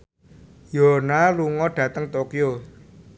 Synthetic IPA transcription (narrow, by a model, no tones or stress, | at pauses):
jonaluŋɔɖ̥ä̤t̪əŋt̪okijo